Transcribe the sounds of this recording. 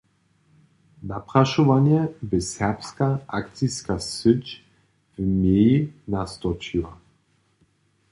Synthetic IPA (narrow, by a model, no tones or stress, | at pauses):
napɾaʃuvanjɛbɛsɛʁpskaakt̪t͡ssiskasət͡ʃ | vmeinast̪ɔt͡ʃiva